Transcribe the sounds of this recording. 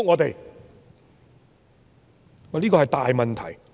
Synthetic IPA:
ŋɔː˨˧t̪e˨j | liː˥kɔː˧hɐ˨jt̪aː˨jmɐ˨nt̪ʰɐ̰˨˩j

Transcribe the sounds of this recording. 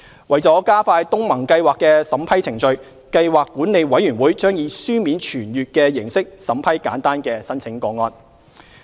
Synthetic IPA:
wɐ˨jt͡sɔː˨˥kaː˥faː˧jt̪ʊ˥ŋmɐ˨˩ŋkɐ˧jwaː˨kːɛː˧sɐ˨˥mpʰɐ˥jt͡sʰɪ˨˩ŋt͡ʃɵ˧ɥ | kɐ˧jwaː˨kːuː˨˥nle˨˧jwɐ˨˥jyː˨˩nwuː˨˥jt͡ʃœː˥ŋjiː˨˧syː˥miː˨˥nt͡ʃʰyː˨˩njyː˨t̚kɛː˧jɪ˨˩ŋsɪ˥k̚sɐ˨˥mpʰɐ˥jka̰ː˨˥nt̪aː˥nkɛː˧sɐ˥nt͡sʰɪ˨˥ŋkɔː˧ŋɔː˧n

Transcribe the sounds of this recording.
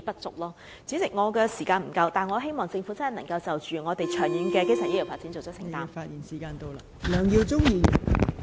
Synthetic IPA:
pɐ˥t̚t͡sʊ˨k̚lɔː˥ | t͡siː˨˥t͡sɪ˨k̚ŋɔː˨˧kɛː˧si˨˩kaː˧nm̩˨˩kɐ˧wt̪aː˨nŋɔː˨˧ɦe˥jmɔː˨ŋt͡sɪ˧ŋfu˨˥t͡sɐ˥nɦjnɐ˨˩ŋkɐ˧wt͡sɐ˨wt͡ʃyː˨ŋɔː˨˧t̪e˨jt͡ʃʰœː˨˩ŋjiː˨˧nkɛː˧ke˥ŋsʰœː˨˩jli˨˩faː˧˥tt͡si˨˥nt͡so˨wt͡sʰœ˥sɪ̰˨ŋt̪aː˥faː˧t̚jiː˨˩nsi˨˩kaː˧nt̪o˥wla˧ | lœː˨˧ŋjiː˧wt͡sʊ˥ŋjiː˧˨˩

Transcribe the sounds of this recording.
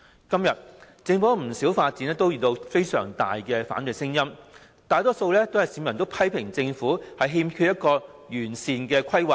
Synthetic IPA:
kɐ˥mjɐ˨t̚ | t͡sɪ˧ŋfɔː˨˥m̩˨˩siː˨˥wfaː˧t̚t͡siː˨˥nɛː˥t̪o˥wjyː˨˩t̪o˧wfe˥jsœ̰ː˨˩ŋt̪a̰ː˨jkɛː˧fa̰ː˨˥nɵ˨jsɪ˥ŋjɐ˥m | t̪aː˨˧jt̪ɔː˥so˧wlɛː˥t̪o˥whɐ˨˩jsiː˨˥mɐ˨˩nt̪o˥wpʰɐ˥jpʰɪ˨˩ŋt͡sɪ˧ŋfuː˨˥hɐ˨jɦiː˧mkʰy˧t̚jɐ˥t̚kɔː˧ | jyː˨˩nsiː˨nkɛː˧kʰɐ˥jwɐ˨˩

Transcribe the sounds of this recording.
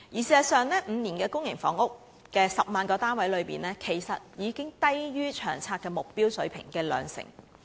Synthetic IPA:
jiː˨˩siː˨˩zɐ˨sœː˨˧ŋlɛː˥m̩ː˨˧niː˨˩nkɛː˧kʊ˥ŋjɪ˨˩ŋfɔ̰ː˨˥ŋʊ˥k̚ | kɛː˧sɐ˨p̚maː˨˧nkɔː˧t̪aː˥nwɐ˨˥jlɵ˨˧ɥpiː˨nlɛː˥kʰe˨˩jsɐ˨t̚jiː˨˧kɪ˥ŋt̪ɐ˥jjyː˥t͡ʃʰœː˨˩ŋt͡sʰaː˧t̚kɛː˧mʊ˨k̚piː˥wsɵ˨˥ɥpʰɪ̰˨˩ŋkɛː˧lœ̰ː˨˧ŋsɪ̰˨˩ŋ

